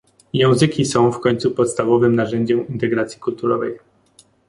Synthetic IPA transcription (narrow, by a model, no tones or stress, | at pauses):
jɛ̃w̃zɘkʲisɔ̃w̃fkɔɲʲt̪supɔt̪st̪avɔvɘmnaʐɛɲd͡ʑɛmint̪ɛɡɾat̪sʲjikult̪uɾɔvɛj